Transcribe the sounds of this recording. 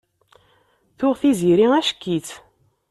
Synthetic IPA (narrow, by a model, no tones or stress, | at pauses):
θʊʁθiziɾiæʃkːiθ